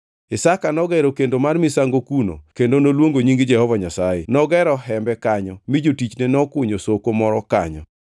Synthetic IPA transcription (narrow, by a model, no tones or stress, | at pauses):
ɪsakanɔɡɛɾokendomarmɪsaŋɡokuno̰kendonolwoŋɡoɲiŋɡɪd͡ʒɛhɔvaɲasajenɔɡɛɾɔɦɛmbɛkaɲɔmid͡ʒotit͡ʃnɛnɔkʊɲosokomɔɾɔka̰ɲɔ̰